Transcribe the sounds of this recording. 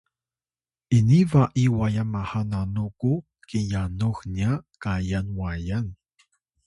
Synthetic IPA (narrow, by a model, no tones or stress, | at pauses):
ʔinivaʔiwajamahananuku | kijanuxniakajanwajan